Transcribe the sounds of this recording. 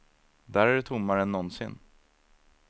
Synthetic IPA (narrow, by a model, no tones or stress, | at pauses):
d̪æːɾæɖɵt̪ʰʊmːaɾəɛnːɔnsɪ̰nː